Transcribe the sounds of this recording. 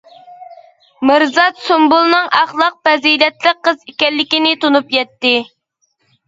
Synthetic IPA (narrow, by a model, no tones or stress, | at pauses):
mɨɾzɑt̪sombulˠnɨŋʔɑχlˠəq̚fɛzilɛt̪lɪk̚qːəzekʲɛlːɪkʲinɪt̪onupjɛt̪ːɪ